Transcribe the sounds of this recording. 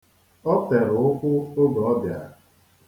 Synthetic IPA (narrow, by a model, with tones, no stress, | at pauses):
ɔ˦te˨ɾʊ˨ʊ˦kʷʊ˦o˦ɡɔ˨ɔ˦dɪ˨a̰˨